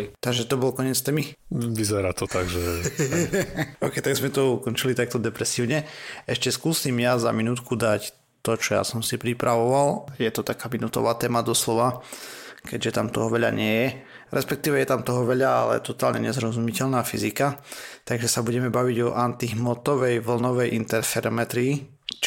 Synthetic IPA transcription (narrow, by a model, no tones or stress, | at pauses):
t̪aɡʒɛt̪ɔbɔlkɔɲɛt͡st̪mi | ʋizɛɾaːt̪ɔt̪aɡʒɛ | ɔʊkɛjt̪aɡzmɛt̪ɔukɔnt͡ʃilit̪ak̚t̪ɔd̪ɛpɾɛsiːʊɲɛɛʃcɛskuːsimjaza̰minut̪kud̪ac | t̪ɔt͡ʃɔja̰sɔmsipɾipɾʔaʋɔʋaljɛt̪ɔt̪akaːminut̪ɔ̰ʋaːt̪ɛːmad̪ɔslɔʋa | kɛɟʒɛt̪amt̪ɔɦɔʋɛʎa̰ɲɪɛjɛ | ɾɛspɛk̚t̪iːʋɛjɛt̪amt̪ɔɦɔʋɛʎaalɛ̰t̪ɔt̪a̰ːlɲɛ̰ɲɛzɾɔzumicɛʎnaːfḭzikat̪aɡʒɛsabuɟɛmɛbaʋiɟɔʔant̪iɦmɔt̪ɔʋɛjʋl̩nɔʋɛjʔint̪ɛɾfɛɾɔmɛt̪ɾiː